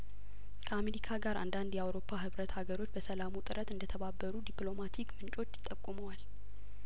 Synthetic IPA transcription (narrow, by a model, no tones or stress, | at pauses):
kʰəameɾikʰaɡaɾa̰nd̪and̪jɛawɾo̞pʰːaɦɨβɾət̪haɡəɾo̞t͡ʃːbəsəlamut̪ʼɨɾʔət̪ɨnd̪ət̪ʰəβabːəɾud̪iplo̞mat̪ʰikmɨnt͡ʃʼo̞t͡ʃːjɪ̥t̪ʼːəkʼːuməwal